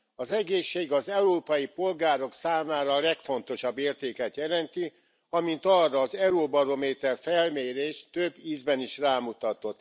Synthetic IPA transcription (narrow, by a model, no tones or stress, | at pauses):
ɒzɛɡeːʃːeːɡɒzɛuɾoːpɒjipo̞lɡaːɾo̞ksaːmaːɾɒlɛkfo̞n̪t̪o̞ʃɒbːeːrt̪eːkɛt̪jɛlɛnt̪i | ɒmint̪ɒrːɒːzɛɾobɒɾo̞meːt̪ɛrfɛlmeːɾeːʃt̪øbːiːzbɛniʃraːmut̪ɒt̪o̞t̪ː